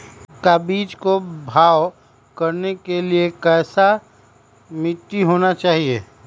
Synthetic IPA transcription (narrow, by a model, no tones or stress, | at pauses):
kabiːd͡ʒkobʱaːw | kɐɾnekeliekɛːsa | mɪʈːiɦoːnat͡ʃaːɦiḛː